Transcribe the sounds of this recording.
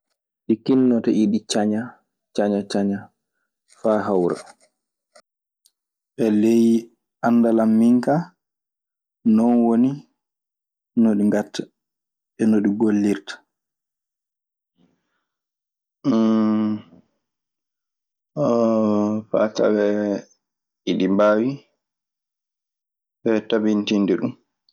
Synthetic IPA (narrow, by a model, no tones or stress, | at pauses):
ɗikinːɔtaʔiɗit͡ʃaɲa | t͡ʃaɲat͡ʃaɲa | faɦawɾa̰ | ɓɛleji | anːdalamːiŋka | nɔnwoni | noɗiŋɡatːa | ɓɛnoɗiɡolːiɾtḁ | fa̰ta̰ɓɛ | iɗibaːwi | ɓɛtabintindɛɗum